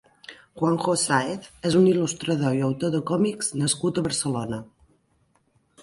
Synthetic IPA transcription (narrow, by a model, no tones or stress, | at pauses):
ʝwaŋxosaeθɛzunilust̪ɾəðoiəwt̪oðəkɔmikz̥nəskut̪əβəɾsəlonə